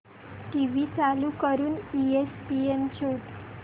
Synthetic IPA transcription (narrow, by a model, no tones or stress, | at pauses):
ʈiʋit͡salukəɾuːniespiemt͡ɕʰoʈ